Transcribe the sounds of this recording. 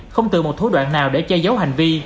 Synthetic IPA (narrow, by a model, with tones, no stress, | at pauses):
xə˧wŋ͡mt̪ɨ̰˧˨mo˨˩t̚t̪ʰu˨˦ɗwa̰ː˧˨nnaː˨˩wɗe˧˩t͡ɕɛ˧zə˨˦wɦa˨˩ŋ̟vi˧